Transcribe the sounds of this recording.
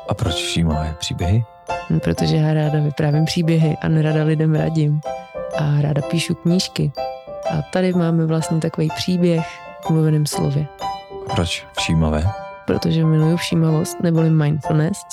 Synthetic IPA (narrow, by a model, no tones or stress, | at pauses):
ʔapɾot͡ʃfʃiːmavɛːpr̥iːbjɛɦɪ | pɾot̪o̞ʒɛjaːɾaːdavɪpɾaːvimpr̥iːbjɛɦɪʔa̰nɛɾadalɪdɛmɾa̰ɟɪmʔaɾa̰ːdapiːʃukɲiːʃkɪʔat̪adɪmaːmɛvlast̪ɲit̪akovejpr̝̥iːbjɛxulovɛnɛːmslo̰vjɛʔapɾot͡ʃfʃiːmavɛːpɾo̰t̪oʒɛmɪlujufʃiːmavo̞st̪nɛbolɪmajnful̩nɛst̪